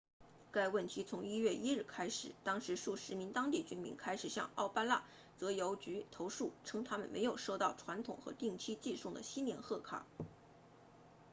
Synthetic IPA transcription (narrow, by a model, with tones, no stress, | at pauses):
ka˥˧ɪwə˥˩nt̪ʰi˧˥t͡sʰʊ˧˥ŋi˥ɥɛ˥˩ʔi˥ɻ̩˥˩kʰa˥ɪʂɻ̩˨˩˦t̪ɑ˥ŋʂɻ̩˧˥ʂu˥˩ʂɻ̩˧˥mi˧˥nt̪ɑ˥ŋt̪i˥˩t͡ɕy˥nmḭ˧˥nkʰa˥ɪʂɻ̩˨˩ɕjɑ̰˥˧ŋɑ˥˩ʊpa˥la˥˩ | t͡sɤ˧˥jo˧˥ʊt͡ɕy˧˥t̪ʰo˧˥ʊʂu˥˩ʈ͡ʂʰɤ˥ŋt̪ʰa˥mə̰˨nmʔḛ˧˥ɪjo˨˩ʊʂo˥˧ʊt̪ɑ˥˩ʊʈ͡ʂʰwa˧˥nt̪ʰʊ̰˨˩ŋxɤ̰˧˥t̪i˥˩ŋt͡ɕʰi˥t͡ɕi˥˧ʂʊ˥˩ŋd̪ə̰˩ɕi˥nmjɛ˥˧nxɤ˥˩kʰa̰˥˩˦